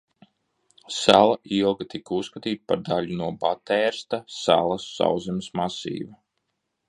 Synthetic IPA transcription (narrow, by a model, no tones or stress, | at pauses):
salˠaʔilˠɡat̪ikusːkat̪iːt̪̚paɾd̪alunuɔbat̪ɛːɾst̪asa̰lˠasːa̰wzɛmsmasḭːva